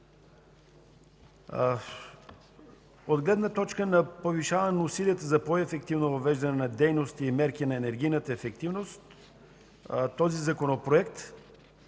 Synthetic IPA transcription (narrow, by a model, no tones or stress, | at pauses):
od̪ɡlɛd̪nət̪ɔt͡ʃkənɐpoviʃavɐnɛnəusiliət̪əzɐpoɛfɛk̚t̪ivnovɐvɛʒd̪ɐnɛnɐd̪ɛjnost̪iːmɛɾkʲinɐɛnɛɾɡ̟ijnət̪əɛfɛk̚t̪ivnost̪ | t̪ɔzizɐkonopɾoɛkt̪